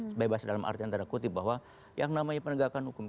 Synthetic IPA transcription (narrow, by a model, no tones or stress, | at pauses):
bebasdalamʔa̰rt̪iant̪aɾakut̪ibaɦwa | jaŋnamaɲapənəɡakanhukʊm